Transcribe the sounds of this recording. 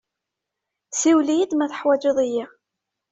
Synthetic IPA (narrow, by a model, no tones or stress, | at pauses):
siwlijid̪mæθə̥ħwæd͡ʒɪðˤiji